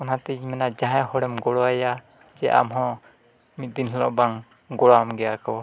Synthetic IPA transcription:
ɔnat̪iɲmɛnad͡ʒaɦãhɔɽɛmɡɔɽɔaja | d͡ʒɛʔa̰mɦɔ̃ | mit̪̚d̪inɦɛlɔ̰ʔbaŋ | ɡɔɽamɡɛjakɔ

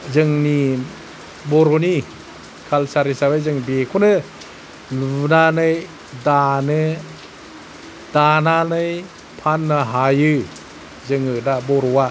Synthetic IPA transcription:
zɯŋni | boɾoni | kʰalsaɾisabajzɯŋbekʰunɯ | lnanɯj | danɯ | dananɯj | pʰanːaɦajɯ | zɯŋɯdaboɾowa

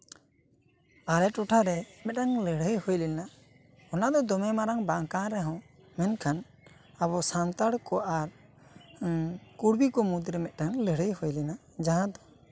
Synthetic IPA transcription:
aɾɛʈɔʈʰaɾɛmɛt̪̚ɾaŋləɽəjhojlɛna | ɔnad̪ɔd̪ɔmɛmaɾaŋbaŋkaɾɛɦɔ̃ | mɛnkʰan | aβɔsant̪aɽkɔʔaɾ | kuɽbikɔmud̪ɾɛmɛt̪̚ˀɾaŋləɽəjhojlɛna | d͡ʒaɦãd̪ɔ

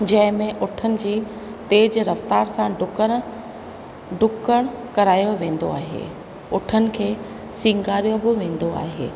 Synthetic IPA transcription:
d͡ʑɐ̃ɦɪ̃mẽʔʊʈʰənɪ̆d͡ʑiː | t̪eːd͡ʑɾɐft̪aːɾsãɖʊkə̃ | ɖʊkəɽ̃kɐɾaːjoʋẽːn̆d̪o̰a̰ːɦḛː | ʊʈʰənɪ̆kʰeː | sĩːŋɡaːɾijobɪʋẽːn̆d̪oa̰ːɦḛː

